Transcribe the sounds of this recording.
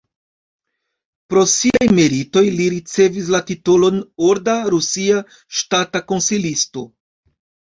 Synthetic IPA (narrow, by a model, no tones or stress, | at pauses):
pɾo̞siajmeɾito̞jliɾit͡se̞vis̬latitolo̞noɾdaɾusia | ʃtatako̞nsilisto̞